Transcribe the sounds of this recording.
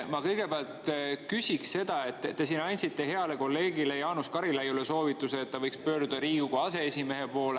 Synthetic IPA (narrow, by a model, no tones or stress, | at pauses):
mɑkɤjɡ̥e̞peɑlt̪kysʲiksse̞d̪̥ɑe̞t̪ˑːesinɑnʲsit̪ːe̞ɦe̞ɑle̞ko̞lːe̞ːɡ̥ile̞jɑːnuskɑɾilɑjule̞so̞ːvit̪ːˑuseːt̪ːɑvɤjkspø̞ːɾd̪ud̪̥ɑɾiːɡukuɑse̞esime̞ɦe̞po̞ːle